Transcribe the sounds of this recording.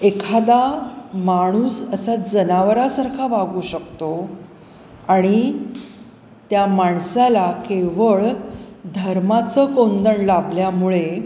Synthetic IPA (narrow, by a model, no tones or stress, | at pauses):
ekʰad̪amaɽ̃uːsəsad͡zənaʋɾasəɾkʰabaɡuːɕəkt̪o | aɽ̃i | t̪jamaɳsalakeʋəɭd̪ʱəɾmat͡səkond̪əɳlabljamuɭe